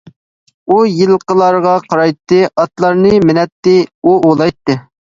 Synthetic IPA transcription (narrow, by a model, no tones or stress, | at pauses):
ujilˠqəlˠɑɾʁɑqʰɑɾɑjt̪ːɨʔɑt̪lˠɑɾnɨmɪnɛt̪ːɨuʔolˠɑjt̪ːɨ